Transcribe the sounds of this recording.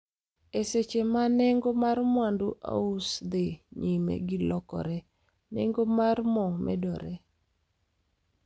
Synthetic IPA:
eset͡ʃemanɛŋɡomarmwanduʔa̰usd̪eɲimḛɡɪlɔkɔ̰ɾɛ | nɛ̰ŋɡomarmɔmʔɛ̰dɔɾɛ

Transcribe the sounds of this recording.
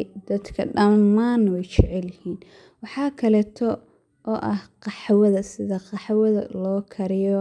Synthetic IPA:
d̪ɐd̪kʰɐ̰ɖɐmːaːnwɛjt͡ʃɛʕɛljɪhiːn | wɑħɑːkʰɐlɛːt̪ʰɔ | ʔɔːʔɐhqɑħwɐðɐsɪðɐqɑħwɐðɐ̰lɔːkʰɐɾɪjɔ

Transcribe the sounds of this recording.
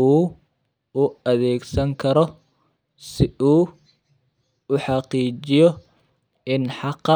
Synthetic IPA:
uː | ʊɐðɛːɡsɐŋkʰɐɾɔ | sɪuː | ʊħɑqiːt͡ʃɪjɔ | ɪnħɑqːɑ

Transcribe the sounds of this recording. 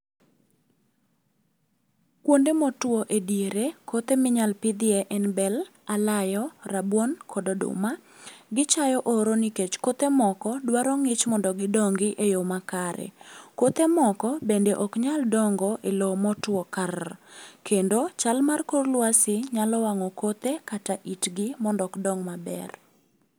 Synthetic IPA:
kwondemɔtwoʔedjeɾekot̪emɪɲalpɪd̪ɪeʔɛnbɛlalajɔrabwonkʰɔdodʊ̰maɡɪt͡ʃajɔʔɔɾoniket͡ʃkot̪emɔkɔdwaɾɔŋɪt͡ʃmɔndɔɡɪdɔŋɡɪʔejomakaɾɛ̰kot̪emɔkɔbendeʔɔkɲaldɔŋɡɔʔelomɔtwɔkarkʰendot͡ʃalmarkorlwasɪɲalɔwaŋɔkot̪ekataʔitɡɪmɔndɔkdɔŋmabɛ̰r

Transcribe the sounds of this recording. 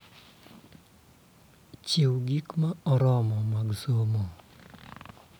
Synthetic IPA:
t͡ʃewɡikmaɔɾɔmɔmaɡsomɔ

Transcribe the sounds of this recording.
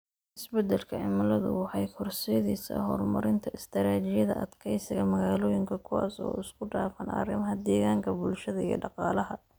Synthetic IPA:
ʔɪsbɛd̪ɛlkʰɐʕɪmɐlɐðʊ̰wɑħɑjkʰɔrsɛjɐðiːsɐ̰ɦɔ̰ːrmɐɾɪnt̪ʰɐɪst̪ʰɐɾaːt͡ʃɪjɐðɐ̰ʔɐd̪kʰɛjsɪɣɐmɐɣaːlɔːjɪŋkʰɐkʰʊwa̰ːsɔ̰ːɪskʰʊɖaːfɐnʔɐ̰rɪmɐɦɐd̪ɛːɣaːŋkʰɐbʊlʃɐðɐijɔ̰ɖɑqɑːlɐɦɐ

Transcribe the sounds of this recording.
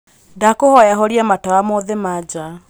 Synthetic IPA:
dakohɔjaɦɔɾiamatawamoðemad͡ʒa

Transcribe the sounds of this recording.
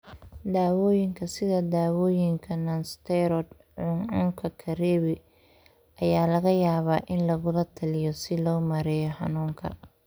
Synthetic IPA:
d̪aːwɔːjɪŋkʰɐsɪðɐd̪aːwɔːjɪŋkʰɐnɐnst̪ʰɛɾɔd̪ | ʕʊnʊŋkʰɐkʰɐɾɛːβɪ | ʔɐjaːlɐɣɐjaːβaːʔɪnlɐɣʊlɐt̪ʰɐlɪjɔsɪlɔːmɐɾɛjɔħɑ̰nuːŋkʰɐ̰

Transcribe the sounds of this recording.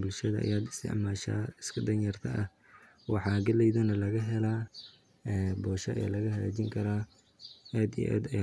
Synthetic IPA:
bʊlʃɐðɐʔɐ̰jaːd̪ɪst̪ʰɪ̰ʕmaːʃa̰ːɪskʰɐd̪ɐnjɐrt̪ʰɐʔɐh | wɑħɑːɡɐlɛjðɐnɐlɐɣɐɦɛlaː | ɛːbɔːʃɐ̰ʔɛ̰ːlɐɣɐɦɐlaːt͡ʃɪŋkʰɐɾaː | ɛːd̪ij̰ʔɛ̰ːd̪ɐ

